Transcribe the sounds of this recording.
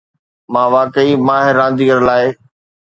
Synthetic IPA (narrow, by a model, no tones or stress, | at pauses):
mãːʋaːkəimãːɦɪɾɾãːn̆d̪iːɡəɾlaːɪ